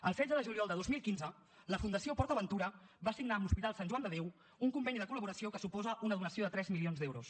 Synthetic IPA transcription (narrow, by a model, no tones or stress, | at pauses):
əlˠsɛdd͡zəðəʒuliɔlˠd̪əðozmilˠkinzə | ləfund̪əsiopɔɾt̪əβənt̪uɾəβasiɡnaəmbuspit̪alˠsanʲʒuwand̪əðew | uŋkumbɛniðəkuləβuɾəsiokəsupɔzəʔunəðunəsioðət̪ɾɛzmilionzd̪ɛwɾṵs